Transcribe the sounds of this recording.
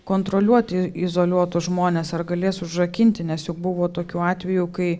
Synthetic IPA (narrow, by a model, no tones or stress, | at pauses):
koːnt̪ɾoːlʲuɔt̪ʲɪɪzoːlʲuɔt̪ʊʒmoːnʲeːsɐrɡɐlʲeːsʊʒʒɐkʲɪnʲt̪ʲɪnʲɛsjʊk̚bʊʋoːt̪oːkʲuːɑːt̪ʲʋʲɛjuːkɐɪ